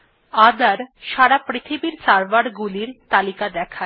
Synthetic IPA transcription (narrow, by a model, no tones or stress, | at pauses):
ad̪aɾʃaɽapɾit̪ʰibiɾt͡ɕaɾbaɽɡuliɾt̪alikad̪ɛkʰa